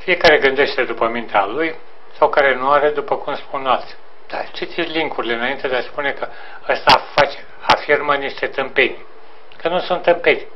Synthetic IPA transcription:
fije̞kaɾe̞ɡɨnd̪e̞ʃt̪ed̪upəmint̪ealuj | sawkaɾe̞nuaɾe̞d̪upəkumspunalt̪sʲ | d̪at͡ʃit̪iliŋkuɾile̞ɨnaint̪e̞d̪easpune̞kə | əst̪afat͡ʃe̥ | afirməniʃt̪e̞t̪ɨmpe̞nʲ | kənusunt̪ːɨmpe̞nʲ

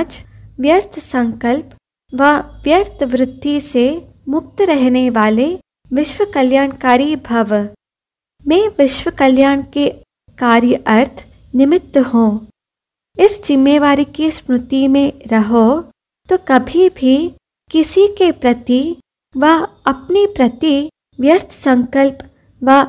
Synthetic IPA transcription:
d͡ʒʋjəɾt̪ʰsɐ̃ŋkəlp | ʋɐʋjəɾt̪ʰʋɾɪd̪ʱːise | mʊk̚t̪ɾɛɦneʋaːle | ʋɪʃwəkɐljaːɳkaːɾibʱɐʋ | mɛ̃ːʋɪʃʋəkɐljaːɳke | kaːɾjəʔɐɾt̪ʰ | nɪmɪt̪ːɦõː | ɪsd͡ʒɪmːeːʋaːɾikispɾʊt̪imẽɾɐɦo | t̪oːkɐbʱibʱi | kɪsikepɾɐt̪i | ʋɐɐpnipɾɐt̪i | ʋjɐɾt̪ʰsɐ̃ŋkəlp | ʋa

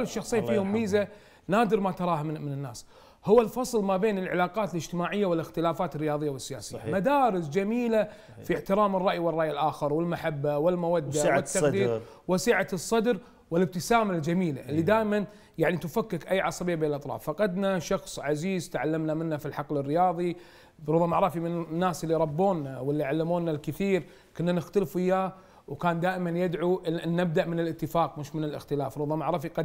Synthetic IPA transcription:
lːɪʃːɑxsˤiːnfiːhʊmːiːza | naːd̪ɪɾmat̪ɑɾˤɑːɦammɪnɪnːa̰ːs | hʊwːalfɑsˤlmabeːnɪlʕɪlaːqɑːt̪ɪlɪd͡ʒt̪ɪmaːʕɪjːawɪlɪxt̪ɪlaːfaːt̪ɪrːɪjɑːðˤɨjːawɪsːɪja̰ːsɪ̰jːa̰mad̪aːɾɪs̬d͡ʒamiːla | fiħt̪ɪɾɑːmɪrˤːɑʔjiwɪrˤːɑʔjɪlʔaːxɪɾwɪlmaħabːawɪlmʊwad̪ːawɪt̪ːaq̪iːɾ | wɪsiːʕasˤːɑd̪ɾ | wɪlɪb̚t̪ɪsaːmald͡ʒamiːla̰ʔɪlːid̪aːʔman | jaʕnit̪ʊfakːɪkʔajːʕɑsˤɑbɪjːabeːnlʔɑt̪ˤɾˤɑ̰ːfːɑqɑd̪naʃɑxsˤʕaziːzt̪ʕalːamnamɪnːafilħɑqlɪrːɪjɑːðˤi | ɾʊðˤɑmaʕɾˤɑfimɪnnːaːsʔlːiɾˤɑbːoːnːawɪlːiʕalːɪmoːnːalkɪθiːɾ | kʊnːanɪxt̪alfɪjːaː | wkaːnd̪aːʔɪmanjɪd̪ʕuʔʔɪnːɪb̚d̪aʔmɪnɪlɪt̪ːɪfaːq̚mʊʃmɪnɪlɪ̰xt̪ɪlaːfɾˤʊðˤɑmaʕɾˤɑːfiqɑd̪

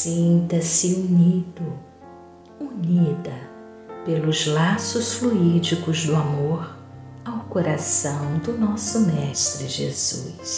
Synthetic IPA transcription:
sĩnt̪ɐsɪunid̪ʊ | unid̪ɐ | pelʊzlasʊsfluid͡ʒikʊzd̪ʊamoɾ | awkoɾasɐ̃w̃d̪ʊnɔsʊmɛʃt̪ɾɪʒḛz̥ṵs

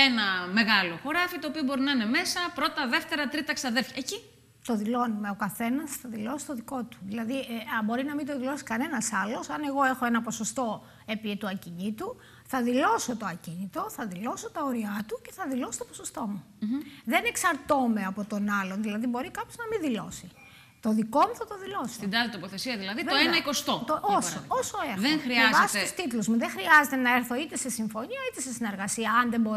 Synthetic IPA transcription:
enɐme̞ɣɐlo̞xo̞ɾɐfit̪oːpio̞bo̞ɾinɐine̞me̞sɐpɾo̞t̪ɐðe̞ft̪e̞ɾɐt̪ɾit̪ɐksɐðeɾfçɐeci | t̪o̞ðilo̞nume̞okɐθe̞nɐsθɐðilo̞sist̪oðiko̞t̪u̥ðilɐðieɐbo̞ɾinɐmid̪oðilo̞si̥kɐne̞nɐsɐlo̞sɐne̞ɣo̞e̞xoe̞nɐpo̞so̞st̪o̞ | e̞pit̪uɐciɲit̪u | θɐðilo̞so̞t̪oɐcinit̪o̞θɐðilo̞so̞t̪ɐoɾiɐt̪uce̞̥θɐðilo̞so̥t̪oposost̪o̞mu | ðe̞ne̞ksɐɾt̪ome̞ɐpo̞t̪o̞nɐlo̞nðilɐðibo̞ɾikɐpçoznɐmiðilo̞si | t̪o̞ðiko̞muθɐt̪o̞ðilo̞soid̪ɐlɐt̪opoθesiɐðilɐðiðoenɐikost̪ot̪oooosoeɾðexɾievɐsit̪ust̪it̪lozmuðexɾiɐze̞t̪enɐeɾθo̞it̪e̞se̞siɱfo̞niɐit̪e̞sesine̞ɾɣɐsiɐɐnðe̞mbo

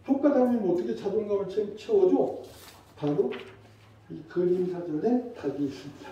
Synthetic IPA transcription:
pʰok͈adamimʌt͈ʌkʰet͡ɕadoŋɡamɯɭt͡ɕʰemt͡ɕʰiwʌd͡ʑo | paɾo | ikɯɾinsʰad͡ʑʌne̞taɡiːs͈ɯmɲid̥a

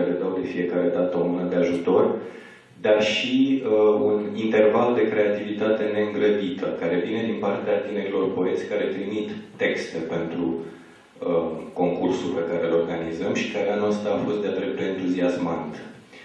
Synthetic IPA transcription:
ɾed̪awd̪e̞fie̞kaɾe̞d̪at̪əomunəd̪e̞aʒut̪o̞r | d̪arʃiunint̪e̞rvald̪e̞kɾe̞at̪ivit̪at̪e̞ne̞ɨŋɡɾəd̪it̪ə̰kaɾe̞vine̞d̪inpart̪eat̪ine̞ɾilo̞rpo̞e̞t̪sʲkaɾe̞t̪ɾimit̪ːe̞kst̪epe̞nt̪ɾu | əko̞ŋkursulpe̞kaɾe̞lo̞rɡanizəmʃi̥kaɾeanoast̪ɾəafo̞st̪̚d̪ead̪ɾep̚d̪eːnt̪uziasmant̪

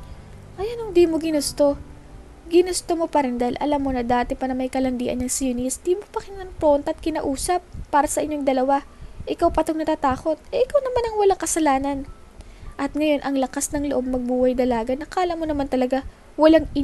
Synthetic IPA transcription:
ʔɐjanʊŋd̪iːmoɡɪnʊst̪o̞ | ɡɪnʊst̪omo̞pɐɾɛnd̪ɐɪlʔɐ̰lamːo̞nɐd̪aːt̪ɛpɐnɐmɐjkɐlɐnd̪iːʔɐ̰nːɐŋsjunisd̪iːmopɐkɪnɐnpɾont̪ɐʔːt̪̚kɪnɐʔuːsɐpːaːɾɐsɐʔɪɲo̞ŋd̪ɐlɐwaʔɪkawpɐt̪oŋnɐt̪aːt̪aːko̞t̪̚ɛʔɪkawnɐmanɐŋwɐlaŋkɐsɐlaːnɐn | ʔɐt̪̚ŋɐjo̞nʔɐŋlɐkasnɐŋloʔo̞b̚mɐɡ̚buːhɐjd̪ɐlaːɡɐnɐkaːlɐmonɐmant̪ɐlɐɡa | wɐlaŋɪ

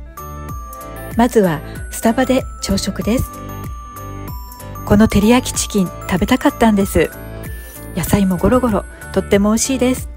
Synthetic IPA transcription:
mazɨβasɨ̥t̪abad̪e̞t͡ɕo̞ːɕo̞kɯ̟d̪e̞sɨ̥ | ko̞no̞t̪e̞ɾʲiakʲi̥t͡ɕi̥kʲĩnt̪abe̞t̪akat̪ːãnd̪e̞sɨ | jasaimo̞ɡo̞ɾo̞ɡo̞ɾo̞ | t̪o̞t̪ːe̞mo̞ːiɕiːd̪e̞sɨ̥

